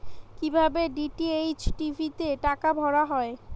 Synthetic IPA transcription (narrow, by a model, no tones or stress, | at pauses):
kibʱabeɖiʈiejt͡ɕʈivʱit̪eʈakabʱɔɽaɦɔe